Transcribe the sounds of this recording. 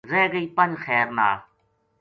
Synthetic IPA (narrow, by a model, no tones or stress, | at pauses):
zeːɡəiːpənd͡ʑxɛːɾna̰ːl